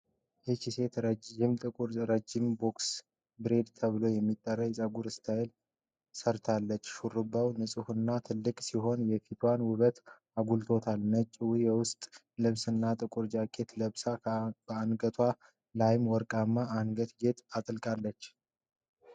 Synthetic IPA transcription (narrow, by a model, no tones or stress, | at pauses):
jɛt͡ʃise̞t̪ɾəɪmt̪ʼɨkʼuɾɾəd͡ʒːɪmbo̞ks | bɨɾe̞d̪t̪ʰəβɨlo̞jɛmːit̪ʼːərːəjɛsʼaɡuɾɨst̪ʰajel | səɾt̪ʰalːət͡ʃːʃurːɨbawnɨsʼɨhunːat̪ʰɨlːɨkʼsiɦo̞njɛfit̪ʰwanwʊβət̪ | aɡult̪ʰo̞t̪ʰalnət͡ʃʼːɪwujɛwʊst̪ʼ | lɨβsɨnːat̪ʼɨkʼuɾd͡ʒakʼe̞t̪ləβsab̥əanɡət̪ʰwa | lajmwɔɾkʼamːaanɡət̪ɡe̞t̪ʰat̪ʼɨlkʼalːət͡ʃː